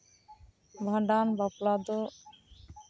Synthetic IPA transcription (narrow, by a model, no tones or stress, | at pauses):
bʱaɳɖanbaplad̪o